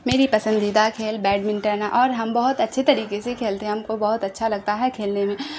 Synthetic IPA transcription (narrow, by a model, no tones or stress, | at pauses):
meːɾipɐsə̃nd̪id̪akʰeːlbɛːɖmɪ̃nʈəɾnaʔɔːɾɦɐmbɐɦʊt̪ɐtːʃʰet̪ɐɾiːkesekʰeːlt̪eɦɛɦɐmkobɐɦʊt̪ɐtːʃʰalɐɡ̚t̪aɦɛkʰeːlnemẽ